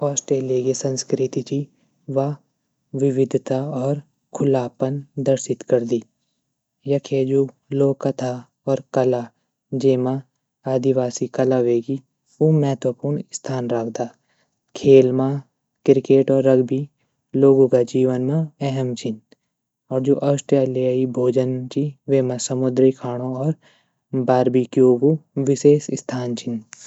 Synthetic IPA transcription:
ɔːsʈeːleɡesə̃nskɾɪt̪it͡ʃi | ʋa | ʋɪʋɪd̪ʱt̪aɔːɾ | kʰʊlaːpənd̪əɾʃɪt̪kəɾd̪i | jɐkʰeːd͡ʒuː | loːkət̪ʰa | ɔːɾkəla | d͡ʒeːmã | aːd̪ɪʋaːsikɐlaʋeːɡi | umɛɦt̪wəpʊɾɳst̪ʰaːnɾaːkʰd̪aː | kʰeːlmã | kɪɾkeːʈɔːɾːɐɡbi | loːɡũkad͡ʒiːʋənmãɛɦɛmt͡ʃʰɪn | ɔːɾd͡ʒoːʔɐsʈɾjaːlɪjaːibʱoːd͡ʒənt͡ʃiʋeːmãsəmʊd̪ɾikʰaːɽ̃oɔːɾ | baːɾbikioːɡuʋɪseːʃɪst̪ʰaːnt͡ʃʰɪn

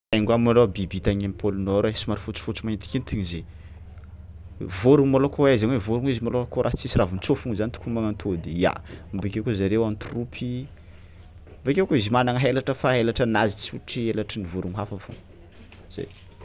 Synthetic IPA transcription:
aŋɡamːaɳɖ͡ʐobibit̪aɲamipʰolunoɾesimaɾifut͡si̥fut͡sumaint̪i̥kʲint̪iɲize | voɾuŋmalokoazaɲwevoɾuŋizimalokoɾaɦt͡sisiravunt͡sofuŋzanit̪u̥kumaŋant̪ʰod̪ija̰mbekʲewkuzaɾewant̪rupʰi | mbekʲekoizimanaŋəɦelaʈ͡ʂəfaɦelaʈ͡ʂənazit͡suʈ͡ʂielaʈ͡ʂənivoɾuŋɦafafṵŋ | z̥ḛj

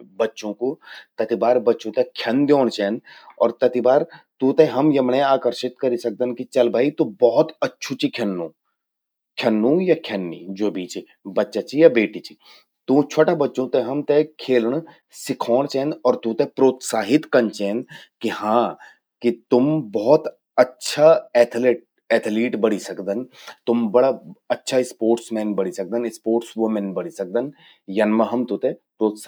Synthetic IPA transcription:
bɐtːʃõkot̪ɐt̪ibaːɾbɐtːʃõt̪ekʰjɐnd̪joːɽ̃t͡ʃɛːnd̪ɔːɾt̪ɐt̪ibaːɾt̪ũːt̪eɦɐmjɐmnẽaːkəɾʃɪt̪kɐɾisɐk̚d̪ənkit͡ʃɐlbʱaːit̪ũbɔɦʊt̪ɐtːʃʰut͡ʃikʰɐnːũ | kʰɐnːũjakʰjɐnːid͡ʒoːbʱiːt͡ʃi | bɐtːʃat͡ʃʰijabeːʈit͡ʃʰi̥ | t̪ũt͡ʃʰoːʈabɐtːʃõt̪ɛɦɐmt̪ekʰeːlɳ̃ | sɪkʰɔːɽ̃t͡ʃɛ̃ːnd̪ɔːɾt̪ũt̪epɾoːt̪saːɦɪt̪kɐnt͡ʃɛ̃ːnd̪ | kihãː | kit̪ʊmbɔːt̪ | ɐtːʃʰaɛːt̪ʰleʈ | ɛt̪ʰliːʈbəɽisɐkd̪ənt̪ʊmbɐɽaɐtːʃʰaɪspoːɾʈsmɛ̃ːnbɐɽisɐk̚d̪ənɪspoːʈsʋʊmənbəɽisɐk̚d̪ən | jɐnmãɦɐmt̪ũt̪ẽpɾoːt̪s

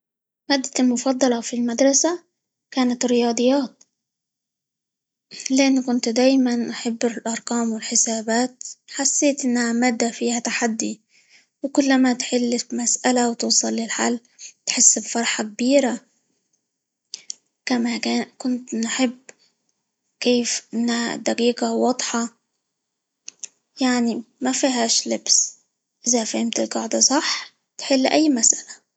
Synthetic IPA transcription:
maːd̪ːalmʊfɑd̪ˤːɑlɑfilmad̪ɾˤɑsa | kaːnat̪ɾɪjɑːd̪ˤɨjːaːt̪̚ | lɪʔanːkʊnt̪d̪aːjmanʔaħɪbːɪlʔɑɾˤqɑːmwɪlħɪsaːbaːt̪̚ħasːeːt̪ʔɪnːhamaːd̪ːafiːhat̪aħad̪ːi | wɪkʊlːamat̪ħɪlːɪmasʔalawt̪uːsˤɑlːɪlħalː | t̪ħɪsːbfɑɾˤħɑk̚biːɾa | kamakaːkʊnt̪nħɪb | keːfʔɪnːha̰d̪ɑqiːɡawɑd̪ˤħɑ | jaʕnimafiɦaːʃlɪbs | ʔɪzafahɪmt̪ɪlɡɑʕd̪ɑsˤɑħ | t̪ħɪlːʔajːmasʔala

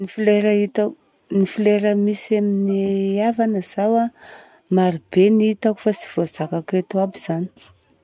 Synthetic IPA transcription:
nifleɾəit̪a | nifileɾəmisaminavanəz̥awa | maɾib̥enit̪aku̥fasi̥v̥ozakaket̪uabiz̥ani̥

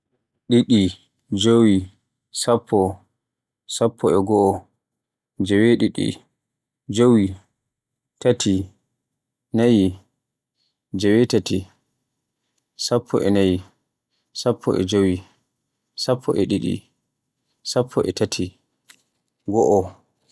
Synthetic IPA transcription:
ɗiɗi | d͡ʒowi | sapʰːɔ | sapʰːɔɛɡɔʔɔ | d͡ʒɛweɗiɗḭ | d͡ʒowi | tatʰi | naji | d͡ʒɛwɛtati | sapʰːɔ̰ʔɛnaji | sapʰːɔ̰ʔɛ̰d͡ʒowi | sapʰːɔʔɛɗiɗḭ | sapʰːɔʔɛtatʰi | ɡɔʔɔ

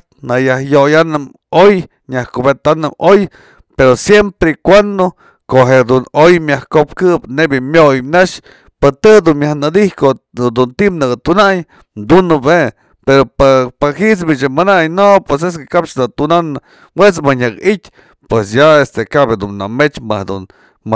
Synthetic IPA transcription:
najahjojanɨm | oj | ɲahkobet̪anɨmoj | peɾosjempɾekʷand̪o | koɦed̪unojmʲjahkop̚kɨpnebjamʲjojnaʃ | pɨt̪ɨd̪unmjahnɨd̪ihko | d̪unt̪imnɨɡat̪unaj | d̪unɨbe | peɾopapahit͡smit͡ʃamanajnopwes̬es̬kekapt͡ʃd̪at̪unanɨ | wet͡smɨɲakitʲ | pwesjaest̪ekabed̪unːa̰met͡ʃmɨhd̪ṵn | m

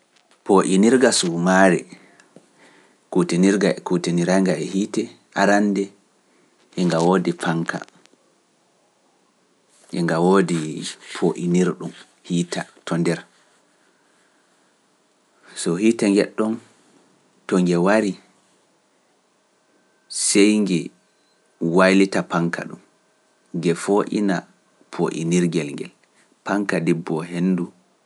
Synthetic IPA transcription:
poʔiniɾɡasumaɾɛ̰ | kutiniɾɡakutiniɾaŋɡaɛhiːtɛ | ʔaɾandɛ | ʔɛŋɡawodifaŋkʰa̰ | ʔɛŋɡawodipʰoʔḭniɾɗum | hiːtatʰɔndɛɾ | sɔhitaŋɡɛɗːɔn | tɔŋɡɛwaɾi | sɛjŋɡɛ | wajlitapaŋkʰa̰ɗṵm | ɡɛfoʔḭna | pʰoʔḭniɾɡɛlŋɡɛ̰l | paŋkadibːɔɦenːdu

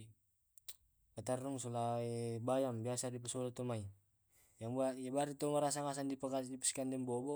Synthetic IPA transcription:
pat̪aruŋsɔlaibajambiasadip̬əsɔlat̪ɔmai | jaŋbajabaɾit̪ɔmaɾas̬aŋas̬andipakadipə̥skandɛŋbɔbɔ

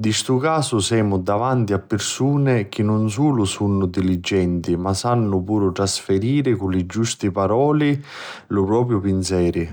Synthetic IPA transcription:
d̪ist̪ukaːsʊsɛːmʊd̪avant̪iapːɪrsuːnɪk̟ɪnːʊns̬uːlʊsunːʊd̪ilid͡ʒːɛnt̪imasanːʊpuːɾʊt̪ɾasfɪɾiːɾɪkʊlɪd͡ʒust̪ipaɾɔːli | lʊpɾɔːpɾjʊpinsɛːɾi

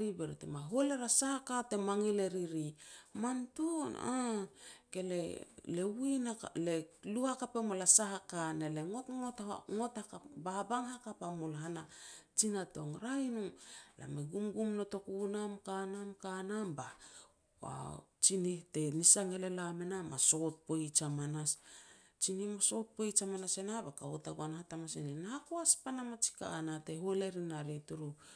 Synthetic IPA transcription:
ɾibeɾitḛmaɦoleɾasahakate̞maŋile̞ɾiɾimantuna̰ | ke̞lelewinaleluhakapemolasahakaneleŋotŋotŋotakababaŋɦakapamolɦanat͡ʃinato̞ŋɾajnula̰meɡumɡumno̞to̞kunamkanamkanamba | a̰t͡ʃinihte̞nisaŋe̞le̞lamenamaso̞t̚pojt͡ʃamanas | t͡ʃinimaso̞t̚pojt͡ʃamanasenabakaotaɡuanhatamaseninaakoaspanamat͡ʃi̥ka̰ːnateɦoleɾinaɾituɾu

